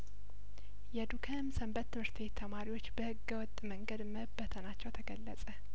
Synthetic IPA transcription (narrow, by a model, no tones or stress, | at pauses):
jɛd̪ukʰəmsəmbət̪ːɨmhɨɾt̪ʰβe̞t̪ʰːəmaɾiwo̞t͡ʃːbəhɨɡːəwɔt̪ʼːməŋɡəd̪məhɨbːət̪ʰənat͡ʃːɛwt̪ʰəɡəlːəsʼə